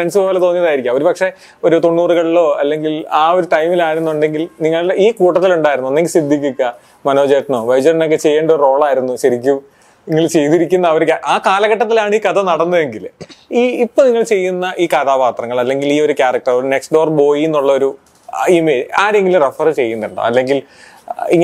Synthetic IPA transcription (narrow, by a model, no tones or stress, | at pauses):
freɳsɨpo̞ːlet̪o̞ːnijɐðaːjiɾikʲːamoɾupɐkʂe̞ | o̞ɾut̪o̞ɳːuːruɣɐɭiɭo̞ːɐlːe̞ŋɡilaːoɾuʈɐjmilaːjiɾunːuuɳɖe̞ŋɡilniŋːɐɭiːkuːʈːɐt̪ːiluɳɖaːjiɾunːuɐnːeŋɡilsid̪ʱːik̬ʲːukʲːɐ | mɐno̞ːd͡ʑeːʈːɐno̞ːʋɐjd͡ʑɐrno̞k̬ːe̞t͡ɕe̞jːeːɳɖɐoɾuro̞ːɭaːjiɾunːuɕɐɾikʲːum | niŋːɐɭt͡ɕe̞jt̪iɾikʲːunːɐːʋɐɾukaʔaːkaːlɐɣɐʈːɐt̪ːilaːɳiːkɐt̪ʰɐnɐɽɐnːɐðe̞ŋɡiliːipːoniŋːɐɭt͡ɕe̞jːunːɐʔiːkɐt̪ʰaːpaːt̪rɐŋːɐɭɐlːe̞ŋɡiliːo̞ɾukʲaːrɐk̚ʈɐroɾne̞ksɖoːrbo̞ːjinːuɭːɐo̞ɾu | imːe̞ːd͡ʑaːɾe̞ŋɡilrefɐrɨt͡ɕe̞jːunːuɳɖo̰ɐ̰lːe̞ŋɡil | ḭŋː